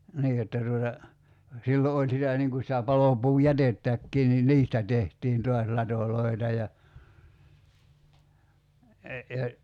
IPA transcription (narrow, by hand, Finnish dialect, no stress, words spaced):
niː jotːɑ tuotɑ silːo olʲ sitæ niŋ ku sitæ pɑlopuːjætetːækːiː ni niːstæ tehtiːn tuɑs lɑtoloi̞tɑ jɑ jɑ